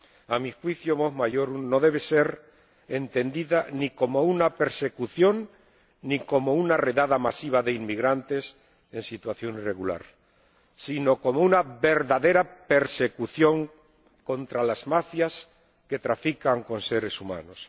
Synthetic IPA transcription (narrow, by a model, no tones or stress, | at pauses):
amixwiθjomoɦmaʝo̞ɾuno̞ðe̞β̞e̞se̞ɾ | e̞nt̪e̞nd̪iðaniko̞mounape̞ɾse̞kuθjo̞nː | ĩko̞mounare̞ðaðamasiβaðe̞inmiɣɾant̪e̞s | e̞nsit̪waθjo̞nire̞ɣula̰ɾ | sino̞ko̞mounaβe̞ɾðaðe̞ɾape̞ɾse̞kuθjo̞ŋ | ko̞nt̪ɾalazmafjas | ke̞t̪ɾafikaŋko̞nse̞ɾe̞suma̰no̞s